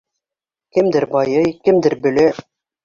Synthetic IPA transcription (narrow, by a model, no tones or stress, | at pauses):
kɘ̆md̪ɘɾbɑjɤjkɘ̆md̪ɘɾbɵ̆lɘ